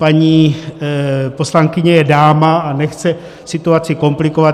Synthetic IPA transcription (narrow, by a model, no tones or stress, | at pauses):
paɲiː | po̞slaŋkɪɲɛjɛdaːmaanɛxt͡sɛ | sɪt̪uat͡sɪko̞mplɪkovat̪